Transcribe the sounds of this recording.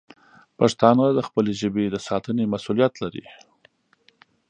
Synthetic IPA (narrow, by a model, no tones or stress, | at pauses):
paʂt̪ɑnad̪əxpəleʒəbed̪əsɑt̪ənemasulijat̪laɾḭ